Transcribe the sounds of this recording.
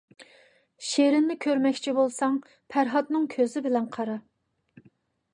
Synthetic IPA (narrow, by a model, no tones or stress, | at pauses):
ʃeɾɪnːɪkʲʰøɾmɛkʲt͡ʃʰibolˠsɑŋ | pʰæɾɦɑt̪nɨŋkʲʰøzɪbɪlɛnqʰɑɾɑ